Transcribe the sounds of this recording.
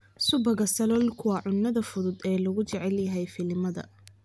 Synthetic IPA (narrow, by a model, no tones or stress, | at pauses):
sʊbɐɣɐsɐlɔlkʰʊwɑʕʊnːɐðɐfʊðʊd̪ɛːlɐɣʊt͡ʃɛʕɛljɐɦɛjfɪlɪmɐðɐ̰